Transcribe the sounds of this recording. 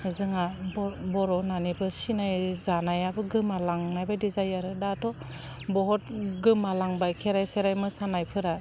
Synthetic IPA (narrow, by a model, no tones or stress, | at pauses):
zɯŋabbɔɾɔnanibɯsinajzanajabɯɡɯmalaŋnajbadizajaɾɯdatɔ | bɔɦɔtɡɯmalaŋbajkʰeɾajseɾajmɯsanajpʰɯɾa